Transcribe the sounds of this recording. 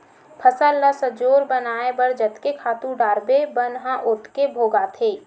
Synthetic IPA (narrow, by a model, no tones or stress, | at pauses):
pʰəsəlːəsəd͡ʒoːɾbənaːebəɽd͡ʒət̪kekʰaːt̪ũɖaːɾbebənɦãʔʊt̪kebʱoːɡat̪ʰeː